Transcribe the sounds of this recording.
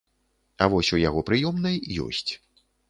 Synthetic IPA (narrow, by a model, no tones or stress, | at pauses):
avɔsʲujaɣɔpɾɨjɔmnɐjːɔ̰sʲt͡sʲ